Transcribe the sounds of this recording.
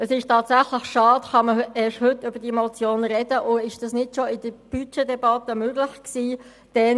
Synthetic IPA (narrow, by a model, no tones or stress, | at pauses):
əsɪʃtʰɑːtsæχləχʃɑːtχɑməɛːʃhʏtːʏbəd̥iɛmɔt͡sjoːnɾɛd̥əʔʊɪʃd̥ɑsnɪdʃoɪd̥əb̥yt͡ʃedɛbɑtəmøɡlɪçksiː | d̥ɛ